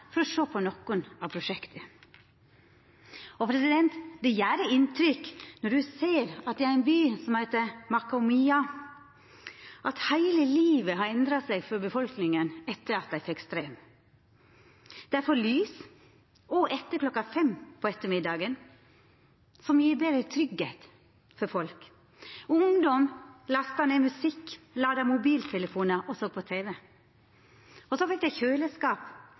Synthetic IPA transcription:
fɔɾɔʂoːpʰɔnɔkːʊnɑʋpʰɾʊʃɛkt̪ʰə | ɔpʰɾɛsɪd̪ɛnt̪d̪ɛjæːɾəɪnt̪ʰɾʏkːnɔɖʉseːɾɑt̪̚d̪ɛæɾɪnbyːsɔmhæɪt̪əmɑkʊmiːɑ | ʔɑt̪hæɪləliːʋəɦɑɾɛnd̪ɾɑsɛɡfɔɾbəfɔlknɪŋənɛt̪ːəɾɑt̪̚d̪æɪfɛkst̪ɾeːm | d̪̥æɾfɔlyːs | ɔʔɛt̪ːəkʰlɔkːɑfɛmpʰɔɛt̪ːəmɪd̪ɑːɡən | sɔmjiːɾbeːd̪ɾət̪ʰɾʏɡheːt̪ | fɔɾfɔlk | ʊŋd̪ɔmlɑst̪ɑneːmʉsɪkː | lɑːd̪ɑmʊbiːlt̪ʰɛləfuːnəʔɔsɔːɡ̚pʰɔt̪ʰeːʋɛ | ɔsɔfɛk̚d̪æɪçøːləskɑːp

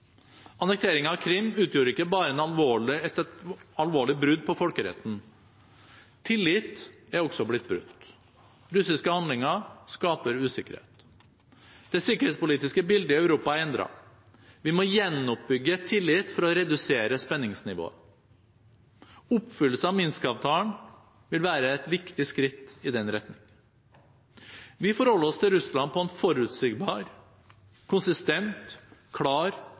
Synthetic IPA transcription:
ɑnɛk̚t̪ʰeːɾɪŋɑʋkʰɾɪmːʉːt̪ʰjuːɾəɪkːəbɑːɾəɛnɑlʋoːɭɪɛt̪ɑlʋoːɭɪbɾʉd̪pʰɔfɔlkəɾɛ̰t̪n̩ | t̪ʰɪlːɪt̪æɾɔɡsɔblɪt̪̚ːbɾʉ̰t̪ | ɾʉsɪskəhɑnd̪lɪŋəskɑːpəɾʉːsɪkəɾhḛt̪ | d̪̥ɛsɪkəɾhet̪spʊliːt̪ɪskəbɪld̪əœʉɾuːpɑɾɛnd̪ɾɑ̰ | ʋɪmɔjɛnːɔp̚bʏɡːət̪ʰɪlːɪt̪ːfɔɾɔɾɛd̪ʉseːɾəspɛnːɪŋsnɪʋo̰ːə̰ | ʊpːfʏlːəsəɑmɪnskəɑːʋt̪ʰɑːəɳ | ʋɪlʋæːɾəɛt̪ʋɪkt̪ɪskɾɪt̪ːɪd̪ɛnɾɛt̪nɪŋ | ʋɪfɔɾhɔlːəɔst̪ʰɪlɾʉslɑn̚pʰɔɛnfɔɾʉt̪sɪɡbɑːɾ | kʰʊnsɪst̪ɛnt̪kʰɽɑːɾ

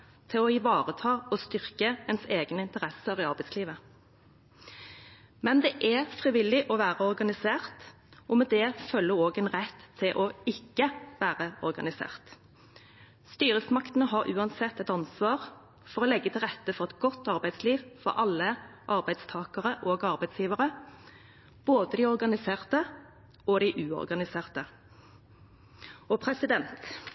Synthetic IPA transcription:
t̪ʰɪlɔɪʋɑːʁət̪ʰɑːɔst̪ʏʁkəɛnseːɡnəɪnt̪əʁɛsəʁiːɑʁbæɪsliːʋə | mɛnd̪ɛʔɛfʁiʋɪlːɪʔɔʋæːʁəɔʁɡɑnɪseːʁt̪ | ʔɔmɛd̪ɛfœlːəoːɡənʁɛt̪ʰːɪlʔɔɪkːəʋæːʁəɔʁɡɑ̰nɪsḛːʁt̪ | st̪yːɾəsmɑkt̪ənəɦɑɾʔʉ̰ːɑnsɛt̪ːɛt̪ɑnsʋɑːʁ | fɔʁɔlɛɡːət̪ʰɪlʁɛt̪ːəfɔʁɛt̪ɡɔt̪ːɑʁbæɪsliːʋfɔ̰ʁɑlːəʔɑʁbæɪd̪st̪ʰɑːkəʁəʔoːɡɑʁbæɪd̪sjiːʋəʁə | b̥oːd̪əd̪ɪːɔʁɡɑnɪseːʁt̪ə | ɔd̪ɪʔʉːɔ̰ʁɡɑnɪseːʁt̪ə | ɔpʰʁɛsɪd̪ɛnt̪

